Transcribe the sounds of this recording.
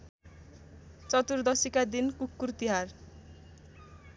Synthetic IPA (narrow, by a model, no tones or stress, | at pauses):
t͡sʌt̪urd̪ʌsikad̪inkukːurt̪iɦar